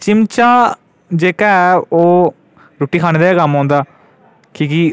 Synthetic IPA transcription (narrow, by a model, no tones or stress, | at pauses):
t͡ʃɪmt͡ʃaː | d͡ʒeːkaːɛoː | ɾoːʈiːkʰaːneːd̪aːaːkəmɦɔ̃ːnd̪aː | kiːki